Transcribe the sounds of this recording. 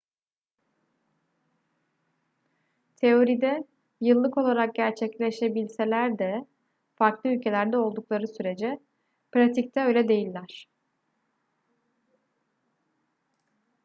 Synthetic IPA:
t̪ʰe̞o̞ɾid̪ɛ | jɯlˠːɯko̞lˠaɾak̚ɟæɾt͡ʃʰɛclʲe̞ʃe̞bilʲse̞lʲæɾd̪ɛ | faɾklˠɯylʲcʰe̞lʲæɾd̪ɛo̞lˠd̪uklˠaɾɯsyɾe̞d͡ʒɛ | pɾat̪ʰic̚t̪ʰɛø̞jlʲɛd̪e̞jilʲːæɾ̥

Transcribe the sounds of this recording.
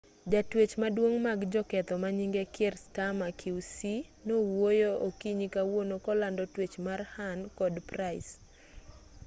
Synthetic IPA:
d͡ʒatwet͡ʃmadwoŋmaɡd͡ʒɔkɛt̪ɔmaɲiŋɡekerstamakʰiwsinowojookiɲikawonokɔlandɔtwet͡ʃmarhankɔdpraɪs

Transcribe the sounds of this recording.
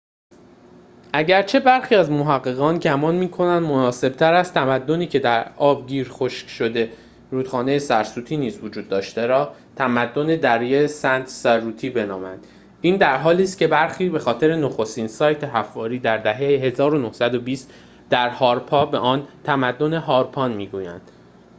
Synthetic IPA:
ʔæɟæɾt͡ʃʰe̞bæɾxiːæzmo̞ɦæɣːe̞ɣɒːnɟæmɒːnmiːkʰo̞nænd̪monɒːse̞b̥̚t̪ʰæɾæst̪ʰæmæd̪ːo̞niːcʰe̞d̪æɾɒːb̚ɟiːɾxoʃcʃo̞d̪e̞ | ɾuːd̪̥xɒːne̞je̞sæɾsuːt̪ʰiːniːzvod͡ʒuːd̪ːɒːʃt̪e̞ɾɒː | t̪ʰæmæd̪ːo̞ne̞d̪æɾjesænt̪ʰsæɾuːt̪ʰiːbe̞nɒ̰ːmæ̰nd̪̥ | ʔiːnd̪æɾɦɒːliːst̪̚cʰe̞bæɾxiːbe̞xɒːt̪ʰe̞ɾe̞noxo̞st̪iːnsɒːjt̪ʰe̞ɦæfːɒːɾiːd̪æɾd̪æɦejeɦe̞zɒːɾo̞no̞hsæd̪o̞biːst̪ | d̪̥æɾhɒːɾpʰɒːbe̞ʔɒːnt̪ʰæmæd̪ːo̞ne̞ɦɒːɾpʰɒːnmiːɡuːjæ̰nd̪̥

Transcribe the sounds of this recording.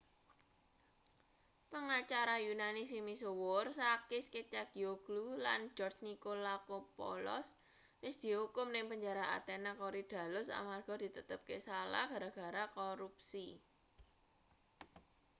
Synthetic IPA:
pəŋat͡ʃaɾajunanis̬imisowʊrsakɪsket͡ʃaɡ̥ioɡ̥lula̰nd͡ʒɔrt͡ʃnikolakopɔ̰lɔ̰s | wɪsd̪̥i̤hukʊmnɪŋpəɲd͡ʒaɾaa̰t̪enakoɾid̪̥ä̤lʊsa̰marɡ̥ɔ̤d̪̥i̤t̪ət̪əp̚kesala̰hɡ̥a̤ɾaɡ̥a̤ɾakoɾup̚si

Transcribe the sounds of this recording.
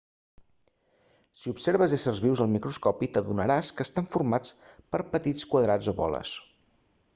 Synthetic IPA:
siupseɾβəzesərzβiwzəlˠmikɾuskɔpit̪əðunəɾaskəːst̪aɱfurmat͡spəɾpət̪it͡skwəðɾad͡zoβɔ̰lə̰s

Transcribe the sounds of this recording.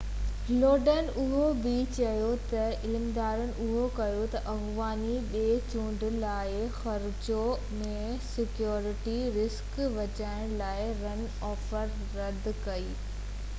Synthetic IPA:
loːɖənʊɦobɪt͡ɕɐjot̪ɐɪlmd̪aːɾənɪ̆ʔʊɦokɐjot̪ɐʔɐɣʋaːniɓeːt͡ɕũːɳɖlaːɪxɐɾd͡ʑo | mẽ | sɪkjoːɾɪʈiɾɪskʋɐt͡ɕaːɪɽ̃laːɪɾɐn | ɔːfəɾːɐd̪ʱkɐiː

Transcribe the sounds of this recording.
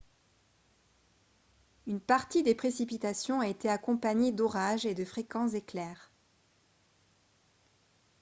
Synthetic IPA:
ynpaʁt̪id̪epχesipit̪asjɔ̃aet̪eakɔ̃paɲed̪ɔʁaʒed̪əfχekɑ̃szeklɛːʁ

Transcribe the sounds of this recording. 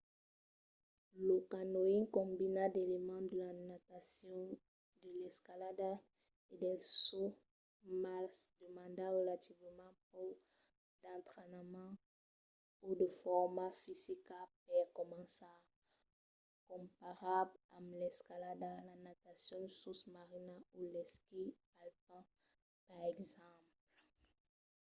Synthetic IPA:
ləkanoinkɔ̃mbinad̪elemɑ̃d̪əlanat̪asɔ̃ | d̪əlɛskalad̪a | ed̪ɛso | masd̪əmɑ̃nd̪aʁəlat̪ivəmɑ̃po | d̪̥ɑ̃nt̪ʁenamɑ̃ | ud̪əfɔʁmafizikap̚ɛkɔmɑ̃sa | kɔ̃mpaʁablãmlɛskalad̪alanat̪asjɔ̃d̪əsusmaʁinaulɛskipalpã | paʁɛɡzɑ̃pl

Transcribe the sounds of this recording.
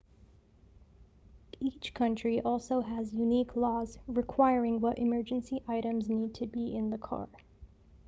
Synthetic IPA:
it͡ʃkʰʌ̃nt͡ʃɹ̥iʔɔlˠsoʊɨzjʉnikʰlɔzɹɨkʰw̥aɪɹɪ̃ŋwʌɾʔɨmɜ˞d͡ʒɨ̃n̩siʔaɪɾɨ̃mznid̚tʰɨbiɪ̃nðəkʰɑ̰ɹ

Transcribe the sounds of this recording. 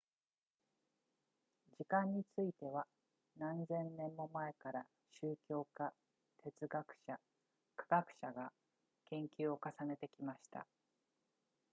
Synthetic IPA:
d͡ʑikãɲ̟ːit͡sɨit̪e̞βa | nãnzẽ̞nnẽ̞mːo̞mae̞kaɾa | ɕɨːkʲo̞ːka | t̪ʰe̞t͡sɨɡakɯ̟̥ɕa | kḁɡakɯ̟̥ɕaɡa | kẽ̞ŋkʲɨːo̞kasane̞t̪e̞kʲimaɕi̥t̪a̰

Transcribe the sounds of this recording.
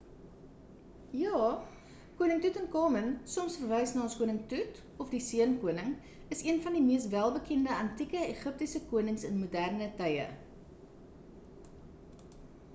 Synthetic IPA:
jɑː | kuənəŋtutənkɑːmənsɔmsfərvɛjsnɑːɔnskuənəŋtut | ɔfdisiənkuənəŋ | əsiənfɐndimiəstvælˠbəkɛndəɐntikəeχəp̚tisəkuənəŋsənmudærnətɐjə̰

